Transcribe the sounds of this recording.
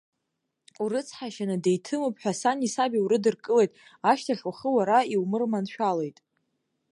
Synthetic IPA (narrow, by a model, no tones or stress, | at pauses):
uɾɨt͡sʰħaʃanɨdejtʰɨmopʼħᶣasanisabiuɾɨdɨrkʼɨle̞jtʼaʃtʰaɬwaχəwaɾaiwmɨrmanʃᶣalejtʼ